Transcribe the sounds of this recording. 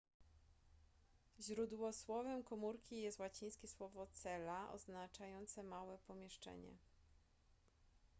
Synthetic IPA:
ʑɾud̪wɔswɔvɛmkɔmuɾkʲijɛst̪wat͡ɕij̃skʲɛswɔvɔt̪sɛlaʔɔ̰znat͡ʂajɔnt̪sɛmawɛpɔmʲjɛʂt͡ʂɛ̰ɲɛ̰

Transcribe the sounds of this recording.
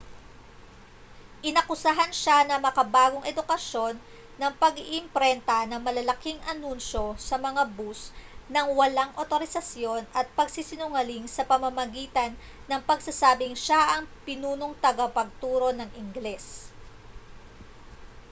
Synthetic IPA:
ʔɪnɐkʊsɐɦɐnʃanɐmɐkɐbaːɡo̞ŋʔɛd̪ʊkɐʃo̞nː | ɐŋpɐɡiʔɪmpɾɛnt̪ɐnɐŋmɐlɐlɐkiŋʔɐnunʃo̞sɐmɐŋabusnɐŋwɐlaŋʔot̪oɾɪsɐsjo̞nʔɐt̪̚pɐɡ̚sɪsɪnʊŋɐliŋsɐpɐmɐmɐɡiːt̪ɐnː | ɐŋpɐɡsɐsaːbɪŋʃaʔɐŋpɪnuːnoŋt̪ɐɡɐpɐɡ̚t̪uːɾo̞nɐŋʔɪŋɡlɛs

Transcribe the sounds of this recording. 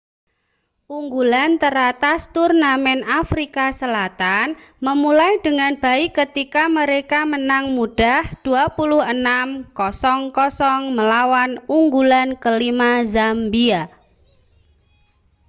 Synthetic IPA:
uŋɡulant̪əɾat̪ast̪urnamɛnafɾikasəlat̪an | məmulaijd̪̥ə̤ŋanb̥a̤ikət̪ikaməɾekamənaŋmuɖ̥ahd̪̥ṳapulʊhənamkɔsɔŋkɔsɔŋməlawanuŋɡulankəlimazambia

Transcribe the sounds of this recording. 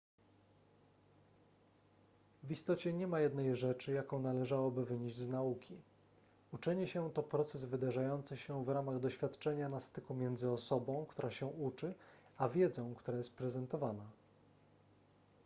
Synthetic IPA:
vist̪ɔt͡ɕɛɲɛmajɛd̪nɛjʐɛt͡ʂɘjakɔ̃w̃nalɛʐawɔbɘvɘɲeʑd͡ʑʲznaukʲi | ut͡ʂɛɲɛɕɛt̪ɔpɾɔt̪sɛzvɘd̪aʐajɔnt̪sɘɕɛvɾamaɣd̪ɔɕfʲjat̪t͡ʂɛɲanast̪ɘkumʲjɛnd̪zɘɔsɔbɔ̃w̃kt̪uɾaɕɛut͡ʂɘ | avʲjɛd̪zɔ̃w̃kt̪uɾajɛst̪̚pɾɛzɛnt̪ɔvana

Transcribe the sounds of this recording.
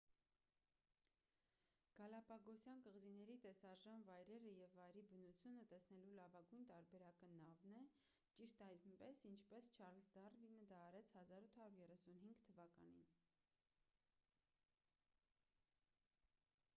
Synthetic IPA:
ɡ̥ɑlɑpɑɡɔsjɑnkəʁzinɛɾit̪ɛsɑʒɑnvɑjɾɛɾəjɛvːɑjɾibənut͡sʰjunət̪ɛsnɛlulɑvɑɡujnt̪ɑɾbɛɾɑkənɑvnɛ | t͡ʃiʃt̪ɑjlmpɛsint͡ʃʰpɛst͡ʃʰɑɾlsd̪ɑrvinəd̪ɑːɾɛt͡sʰhɑzɑɾut̪ʰhɑɾuɾjɛrɛsunɦiŋɡt̪ʰːəvɑkɑ̰nḭn

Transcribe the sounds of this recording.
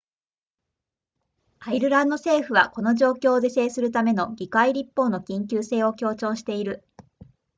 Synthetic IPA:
aiɾɯ̟ɾãnd̪o̞se̞ːɸɯ̟βa̰ko̞no̞ʑo̞ːkʲo̞ːd̪e̞se̞ːsɨɾɯ̟t̪ame̞no̞ɡʲikaiɾʲipːo̞ːno̞kʲĩŋk̬ʲɨːse̞ːo̞kʲo̞ːt͡ɕõɰ̃ɕi̥t̪e̞iɾɯ̟

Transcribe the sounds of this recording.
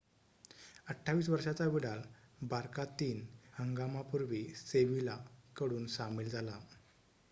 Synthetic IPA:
əʈʰːaʋiːs̬ʋəɾʂat͡saʋiɽalbaɾkat̪iːnhəŋɡamapuɾʋiːseʋilakəɽuːnsamild͡zʱala

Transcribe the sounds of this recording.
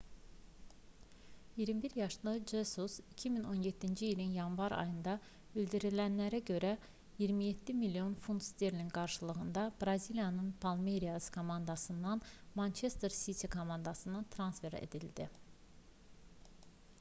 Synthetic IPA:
jiɾmibiɾjɑʃlˠɯd͡ʒesusicʰimino̞njetd̪ːind͡ʒiːlinjɑnvɑɾɑ̰jɯnd̪ɑ | yld̪iɾilænlæɾæɟø̞ɾæ | jiɾmijet̪ʰːimilijo̞nfunt̪st̪eɾlinɡɑɾʃɯlˠɯɣɯnd̪ɑbɾɑzilijɑnɯnpʰɑlˠmeɾijɑskʰo̞mɑnd̪ɑsɯnd̪ɑnmɑnt͡ʃʰe̞st̪eɾsit̪ʰikʰomɑnd̪ɑsɯnɯt̪ʰɾɑnsfe̞ɾḛd̪ild̪i

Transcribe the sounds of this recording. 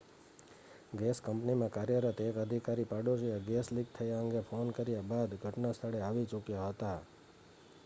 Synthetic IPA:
ɡeskəmpnimãkaɾjəɾət̪ʰekəd̪ʱikaɾipaɖoʃieɡeslik̚t̪ʰəjaəŋɡefonkəɾjabad̪ɡʱəʈnast̪ʰəɭeaʋit͡ʃʊkjaɦət̪a

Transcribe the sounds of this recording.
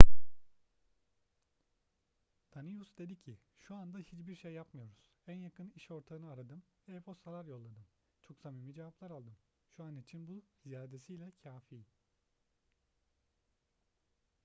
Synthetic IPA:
d̪̥anijusd̪e̞d̪icʰiʃuand̪ahit͡ʃbiɾʃejːapmɯjo̞ɾuz̥ænjakʰɯniʃo̞ɾt̪ʰaɯnɯaɾad̪ɯmɛeposalaɾjo̞lˠːad̪ɯm | t͡ʃʰoksamimid͡ʒevaplˠaɾalˠd̪ɯm | ʃuanit͡ʃʰinbuzijaːd̪e̞sijlʲɛcʰaːfiː

